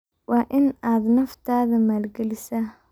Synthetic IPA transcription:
wɑːʔɪnaːd̪nɐft̪ʰaːðɐmaːlɡɛlɪsah

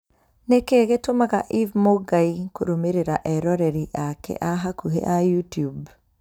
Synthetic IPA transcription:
nekeɣetomaɣaʔivmoɡaikoɾomeɾeɾaʔɛɾɔɾɛɾiʔakɛ̰ʔaɦakuɦḛʔajutijub

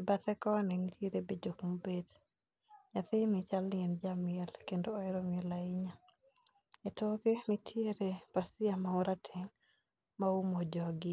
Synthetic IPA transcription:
ɛbat̪ɛkɔnɪnitjeɾebed͡ʒokmobed | ɲat̪ɪnɪt͡ʃalnɪɛnd͡ʒamɪɛlkendoːɛɾomɪɛlaɪɲa | etokenitʰjeɾepasɪamaʊɾatʰeŋ | maumod͡ʒɔɡɪ

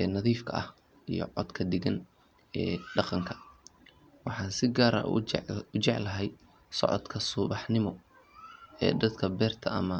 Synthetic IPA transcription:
ʔɛːnɐðiːfkʰɐ̰ʔɐ̰h | ijɔ̰ʕɔd̪kʰɐd̪ɪɡɐn | ɛːɖɑqɑŋkʰɐ̥ | wɑħɑːnsɪɡaːɾɐ̰ʊt͡ʃɛʕlɐɦɛj | sɔ̰ʕɔ̰d̪kʰɐsʊβɑħnɪmɔ | ɛ̰ːd̪ɐd̪kʰɐbɛːrt̪ʰɐɐmɐ

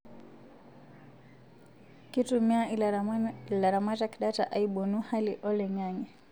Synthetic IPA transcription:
kitumiai | laɾamataki̥ɗata̰ʔaiɓunuhaliʔɔlɛɲaŋɛ

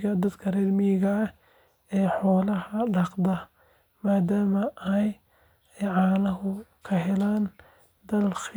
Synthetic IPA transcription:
ɐd̪ɐd̪kʰɐrɛd̪mɪɣɐː | ɛːħɔːlɐɦɐɖɑqd̪ɐ | maːd̪aːmɐʔɐj | ʕɑːlɐɦʊkʰɐɦɛlaːn | d̪ɐlx

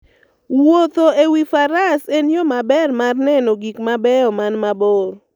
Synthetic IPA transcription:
wot̪oewifaɾasenjomabɛrmarnɛnɔɡikmabɛɔmanmabor

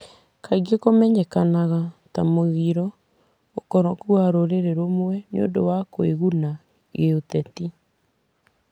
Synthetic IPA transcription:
kaiɡekomɛɲɛkanaɣatamoɣiɾɔ | okɔɾɔkuaɾoɾeɾeɾomowɛnḛo̰ndowakoeɣuna | ɣeotɛti

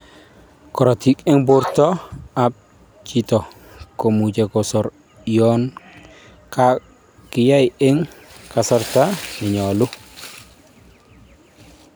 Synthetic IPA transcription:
kɔɾotikɛŋbuɾtɔap̚ | t͡ʃitɔ | komud͡ʒekɔsɔɾ | jɔn | ka | kijajeŋkasɔɾtaniɲɔlu

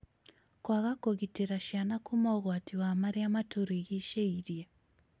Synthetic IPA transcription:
kwaɣakoɣiteɾaʃianakumaɣwatiwamaɾeamatoɾiɣiʃeiɾje

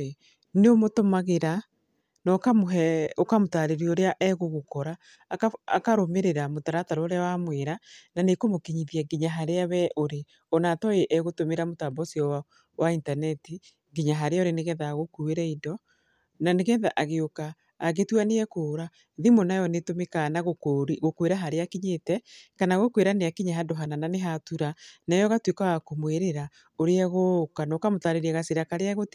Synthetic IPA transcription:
neomotomaɣeɾa | nɔkamoɦɛokamotaɾeɾiɔoɾeaʔɛɣoɣokɔɾaː | kaa̰kaɾomeɾeɾamotaɾataɾɔoɾeawamweɾananekomokeɲiðiaɡiɲaɦaɾeaβɛʔoɾe | onaːtɔeʔɛɣotomeɾamotambɔsiɔwa | waintanɛti | ɡiɲaɦaɾeaoɾeneɣɛðaɣokueɾɛidɔ | naneɣɛðaʔaɣeokaː | ɣetwaneɛkoːɾa | ðimonajɔnetomekanaɣokɾɣokweɾaɦaɾeakiɲetɛkanaɣokweɾaneakiɲaɦadɔɦanananeɦatuɾanajɔɣatwekaɣakomweɾeɾa | oɾeɛɣokanɔkamotaɾeɾɛɣasiɾakaɾeaɣot

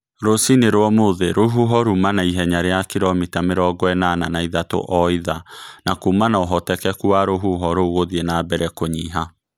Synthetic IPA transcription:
ɾosineɾwɔmoðeɾoɦuɦɔɾumanaiɦɛɲaɾeakiɾɔmitameɾɔɡɔɛnananaiðato̰ʔɔiðanakuːmanaoɦɔtɛkɛkuaɾoɦuɦɔɾoɣoðienaːbɛɾɛkoɲiɦa

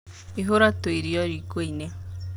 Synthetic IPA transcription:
iɦoɾatoiɾiɔɾikweine

